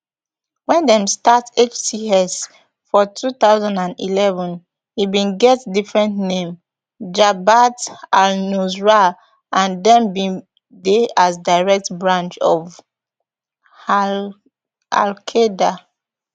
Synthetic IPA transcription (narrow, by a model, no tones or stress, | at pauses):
wɛ̃ndɛ̃mstatet͡ʃtiɛs | fɔtʰut̪aʊzãndãndḭlɛvɔ̃n | hibĩnɡɛtdifɹɛ̃ntnẽm | d͡ʒabatalnuzɹa | ʔãndɛ̃mbĩ | deazdaɪɹɛk̚tbɹãnt͡ʃɔv | a̰lkʰeda